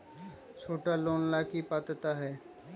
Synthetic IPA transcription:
t͡ʃʰoːʈaloːnlaːkipat̪ət̪aɦɛː

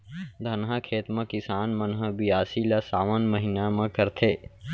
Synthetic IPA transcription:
d̪ʱɐnɦakʰeːt̪mẽkɪsaːnmɐnɦəbiaːsilasaːʋənməɦinamãkəɾt̪ʰeː

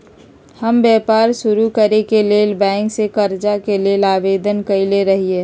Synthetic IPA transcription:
həmbjɛːpaːɾʃʊɾukəɾekeleːlbɛ̃ːŋksekəɾd͡ʒakelielaːʋeːd̪ənkəileɾəɦieː

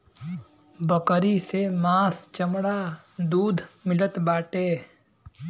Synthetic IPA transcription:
bəkɾisemaːst͡ʃəmɽa | d̪uːd̪ʱmɪlət̪baːʈeː

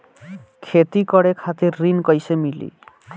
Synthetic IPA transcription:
kʰet̪ikɔɽekʰat̪iɾːinkɔjsemilḭ

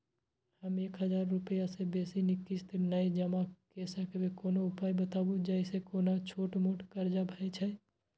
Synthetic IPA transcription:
həmeːkɦəzaːɾːʊpəjasebeːsinɪkːist̪nəed͡ʒəmakesəkebekoːnoʊpaːjbət̪aːbud͡ʒɛɪsekoːnat͡ʃʰoːʈmoːʈkəɾd͡ʒabʱet͡ʃʰɛ

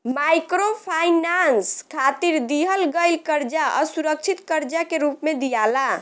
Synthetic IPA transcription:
majkɾopʰajnanskʰat̪iɾd̪iɦəlɡəjlkəɾd͡ʒaʔəsuɾək̚t͡ʃʰit̪kəɾd͡ʒakeɾupmed̪ijala

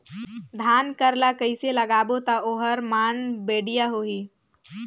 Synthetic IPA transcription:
d̪ʱaːnkəɾlakəɪselɐɡaːbot̪aoːɦəɾmaːnbeːɖijaɦoːɦiː

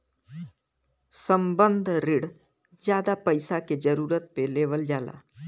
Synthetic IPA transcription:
sə̃mbə̃nd̪ʱɾɪɽ | d͡ʒjaːd̪apɐɪsaked͡ʒəɾuːɾət̪̚peleːʋəld͡ʒaːla̰ː

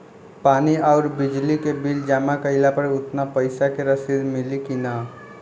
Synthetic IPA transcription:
paniaʊɾbid͡ʒlikebild͡ʒamakəɪlapəɾut̪napəɪsakeɾəsid̪milikinə

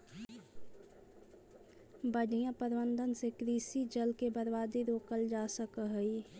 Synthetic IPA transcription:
bənijãpəɾʋə̃nd̪ʱənsekɾiːsid͡ʒəlkebəɾʋaːd̪iɾoːkəld͡ʒaːsəkəɦəi

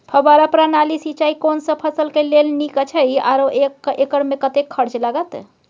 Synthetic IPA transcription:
pʰəbaɾapɾanalisit͡ʃaikonsə̃pʰəsəlkelelnikət͡ʃʰəja̰ɾoʔekekəɽmekət̪ekʰːəɾt͡ʃlaɡət̪

